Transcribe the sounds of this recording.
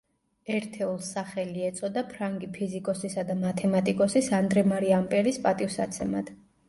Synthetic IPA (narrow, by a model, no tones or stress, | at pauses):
ɛɾt̪ʰɛulˠsaχɛliɛt̪sʼɔd̪apʰɾaŋɡipʰizikʼɔsisad̪amat̪ʰɛmat̪ʼikʼɔsisand̪ɾɛmaɾiampʼɛɾispʼat̪ʼifsat̪sʰɛmad̪̥